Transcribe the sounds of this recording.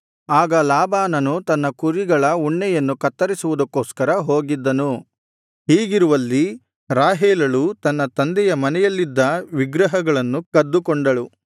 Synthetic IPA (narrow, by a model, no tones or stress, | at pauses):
aːɡɐlaːbaːnɐnut̪ɐnːɐkuɾiɡɐɭɐuɳːɛjɐnːukɐt̪ːɐɾisuʋud̪ɐkːoːskɐɾɐɦoːɡid̪ːɐnu | ɦiːɡiɾuʋɐlːi | ɾaːɦɛːlɐɭut̪ɐnːɐt̪ɐnd̪ɛjɐmɐnɛjɐlːid̪ːɐʋiɡɾɐɦɐɡɐɭɐnːukɐd̪ːukɔɳɖɐɭu